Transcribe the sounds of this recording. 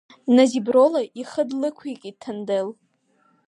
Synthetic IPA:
nazibrolaʔiχədlɨkʷʰikʼitʰɨndɨl

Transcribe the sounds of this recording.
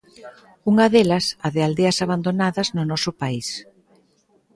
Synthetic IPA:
uŋɐðelɐsaðɪald̪eɐsaβand̪onaðɐznʊnɔsʊpais

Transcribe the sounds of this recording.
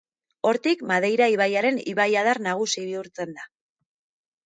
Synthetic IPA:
o̞ɾt̪ikmaðe̞jɾaiβajaɾe̞niβajað̞aɾnaɣ̞usiβiuɾt͡se̞nd̪a

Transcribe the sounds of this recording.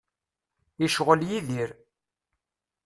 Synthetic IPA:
iʃʁəljiðiɾ

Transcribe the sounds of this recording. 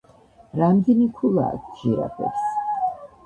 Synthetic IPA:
ɾamd̪ɛnikʰula̰ːkʰd͡ʒiɾa̰pʰɛ̰ɾs

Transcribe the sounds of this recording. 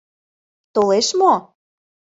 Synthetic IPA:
t̪oleʃmo

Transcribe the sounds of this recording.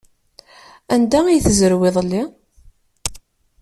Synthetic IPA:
ænd̪æijθəzəɾweðˤlːi

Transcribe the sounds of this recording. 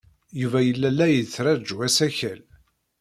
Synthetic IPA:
juvæjəlːælːæjət͡sːɾæd͡ʒwæsæçæl

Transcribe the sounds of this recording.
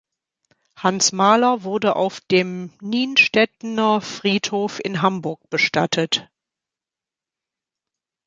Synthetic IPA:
hansmaːlɐvʊɐdəʔa̰ʊfd̥eːmniːnʃtɛtnɐfʁ̥iːthoːfɪ̰nɦambʊɐk̚b̥əʃta̰tʰət

